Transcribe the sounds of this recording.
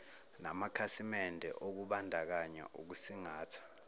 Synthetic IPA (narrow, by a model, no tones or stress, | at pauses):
na̰makʰasimɛndʱɛ̰ʔok̬uɓandʱak̬aɲa̰ʔuk̬usiŋaːtʰḁ